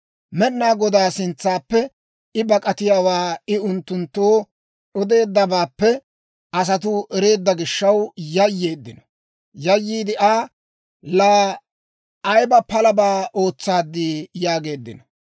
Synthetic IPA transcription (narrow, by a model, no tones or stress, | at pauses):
mɛnːaːɡɔd̪aːsɪnt͡sːaːpːɛ | ɪbɐkʼɐt̪ɪjaːwaːɪʊnt̪ːʊnt̪ːoː | ɗɔd̪e̞ːd̪ːɐbaːpːɛ | ɐs̬ɐt̪̬ʊʔɛɾe̞ːd̪ːɐɡɪʃːɐwjɐjːe̞ːd̪ːɪnɐ̥ | jɐjːiːd̪ɪʔaː | la | jbɐpɐlɐbaːʔo̞ːt͡sːaːd̪ːiːjaːɡe̞ːd̪ːɪ̰nɐ